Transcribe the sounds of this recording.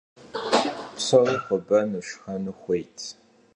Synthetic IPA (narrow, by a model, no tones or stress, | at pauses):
psɐriχʷʊbɐnɨʃxɐnɨχʷejtʰ